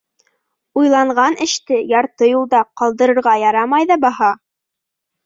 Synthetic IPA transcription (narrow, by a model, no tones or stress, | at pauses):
ujlˠɑɴʁɑnʔɘ̆ʃt̪ɘjɑɾt̪ɤjulˠd̪ɑqɑlˠd̪ɤ̆ɾɤ̆ɾʁɑjɑɾɑmɑjðɑbɑhɑ